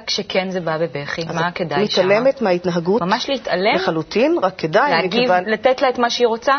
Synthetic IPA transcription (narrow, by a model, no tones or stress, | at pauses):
kʃekenzebabebeχiazmaked̪amit̪alemetmeait̪naɦaɡumamaʃleit̪aleeχalutinʁakʰːedajmeɡkeivanlat̪etlaet̪maʃeiʁot͡sa